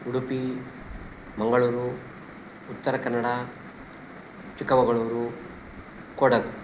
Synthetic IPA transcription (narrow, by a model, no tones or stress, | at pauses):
uɽupi | mɐŋɡɐɭuːɾuː | t̪ːɐɾɐkɐnːɐɽa | t͡ʃikɐʋɐɡɐɭuːɾu | kɔːɽɐd̪u